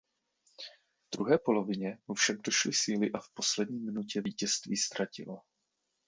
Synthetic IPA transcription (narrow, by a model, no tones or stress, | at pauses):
vd̪ɾṵɦɛːpo̞lo̞vɪɲɛofʃam̚doʃlɪsiːlɪʔafpo̞slɛdɲiːmɪnucɛviːcɛst̪viːst̪ɾacɪ̰lo